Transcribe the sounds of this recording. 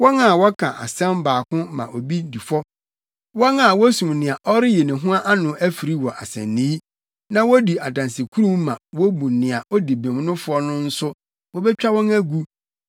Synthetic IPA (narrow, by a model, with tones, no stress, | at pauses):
wɔ˦ŋa˨wɔ˦kʰã˨ʔa̰˨sɛ̃˦m˦baː˨kʊ̃˦mã̰˨ʔo˨bi˦di˨fɔ˦ | wɔ̃˦ŋa˨wɔ˦sũ˨mnɪ̃˨a˨ʔɔ˦ɾɪ˦je˨nɪ̃˨ɦʊ̃˦a˦ʔa˦nʊ̃˨æ˦fi˨ɾi˦wɔ˨ʔa˨sɛ̰̃˨nːĩ˦ | nã˦wɔ˦di˨ʔa˨dã˨nsi˨kʰu˦ɾũ˦mː˦ã˨wɔ˦bũ˨nɪ̃˨a˨ɔ˦di˨bẽ˨m˦nʊ̃˦fʊ˨˦ɔ˦nʊ̃˦n̩˦sʊ˦ | wɔ˦bɛ˦t͡ɕᶣa˦wɔ̃˦ŋæ˦ɡu˦